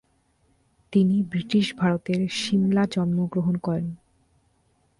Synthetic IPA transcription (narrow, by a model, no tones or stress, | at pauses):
t̪inibɾiʈiʃbʱaɾot̪eɾʃimlad͡ʑɔnmoɡɾoɦonkɔɾen